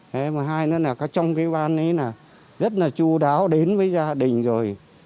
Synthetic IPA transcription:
ʔe˨˦ma˨˩ɦaː˧jnɔ˨˦naː˨˩kɔː˨˦t͡ɕɔ˧wŋ͡mkaː˨˦jɓaː˧nə˨˦naː˨˩ | zə˦˥t̚laː˨˩t͡ɕu˧ɗaː˨˦wɗe˨˦nvəː˨˦jzaː˧ɗï˨˩ŋ̟zo˨˩j

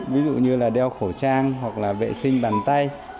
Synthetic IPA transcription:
vi˨˦zṵ˧˨ɲɨ˧laː˨˩ɗɛ˧wxo˧˩t͡ɕaː˧ŋɦwa˨˩k̚laː˨˩vḛ˧˨sï˧ŋ̟ɓaː˨˩nt̪a˧j

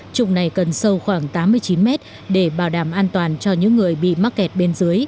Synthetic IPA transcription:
t͡ɕʊ̰˨˧˨ŋ͡mna˨˩jkə˨˩nsə˧wxwaː˧˩ŋt̪aː˨˦mːɨ˧əjt͡ɕi˨˦nmɛ˦˥t̚ | ɗe˧˩ɓaː˧˩wɗaː˧˩mʔaː˧nt̪waː˨˩nt͡ɕɔ˧ɲɨ̰˧˥ŋːɨ˨˩əjɓḭ˧˨ma˦˥t̚kɛ˨˩t̚ɓe˧nzɨ˨˦əj

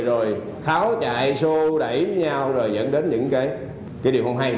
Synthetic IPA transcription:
zo˨˩j | xaː˨˦wt͡ɕa̰ː˧˨jso˧ɗə̰˧˩jvə˨˦ɲa˧wzo˨˩jzə̰˧˥nɗe˨˦nɲɨ̰˧˥ŋkaː˨˦j | kaː˨˦jɗi˨˩əwhə˧wŋ͡mɦa˧j

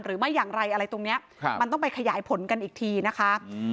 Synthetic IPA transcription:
mɾɯː˩˦ma˥˩jːaː˨˩ŋɾa˧jʔa˧ɾa˧jt̪o˧ŋni˦˥ɐ | ma˧nt̪ɔ˥˩ŋpa˧jkʰa˧jaː˩˦jpʰo˩˦nka˧nʔiː˨˩k̚t̪ʰiː˧na˦˥kʰa˦˥

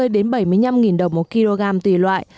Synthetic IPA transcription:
jɗe˨˦nɓə˧˩jmɨ˧əjɲa˧mŋi˨˩nɗə˨˩wŋ͡mmo˨˩t̚ki˧lo˧ɣaː˧mt̪wḭ˧˩lwa̰ː˧˨j

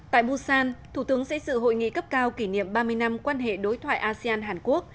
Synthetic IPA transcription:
t̪a̰ː˧˨jɓu˧saː˧nt̪ʰu˧˩t̪ɨ˨˦əŋsɛ̰˧˥sɨ̰˧˨ɦo̰˧˨jŋḭ˧˨kə˦˥p̚kaː˧wki˧˩nḭ˧˨əmɓaː˧mɨ˧əjna˧mkwaː˧nɦḛ˧˨ɗo˨˦jt̪ʰwa̰ː˧˨ʔaː˧si˧aː˧nɦaː˨˩nku˦˥ək̚

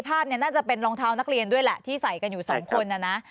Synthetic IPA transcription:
pʰaː˥˩p̚ni˥˩ɐnaː˥˩t͡ɕa˨˩pe˧nɾɔː˧ŋt̪ʰaː˧wna˦˥k̚ɾi˧əndu˥˩əjlɛ˨˩t̪ʰiː˥˩sa˨˩jka˧njuː˨˩sɔ̰ː˩˦ŋkʰo˧nʔa˧˩na˦˥

